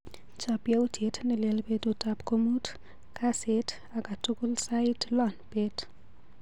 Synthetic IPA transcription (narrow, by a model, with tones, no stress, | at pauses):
t͡ʃa˨pja˦u˦tʰe˨˦tʰnɛ˨le˨lbe˦tu˨ta˨pko˦mu˦t | kʰa˦se˦tʰ | a˨ka˨tu˦ku˦lsa˦itlɔ˦npe˦t